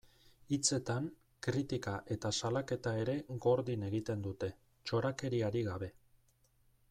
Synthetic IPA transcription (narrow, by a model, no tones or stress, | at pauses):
it͡se̞t̪aŋ | kɾit̪ikaʔe̞t̪asalake̞t̪ae̞ɾe̞ɡo̞ɾðine̞ɣit̪e̞nd̪ut̪e̞ | t͡ʃo̞ɾake̞ɾiaɾiɣaβ̞e̞